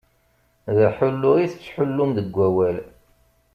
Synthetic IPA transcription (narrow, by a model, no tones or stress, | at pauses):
ðəħʊlːʊiθt͡sːħʊlːʊmðəɡʷːæwæl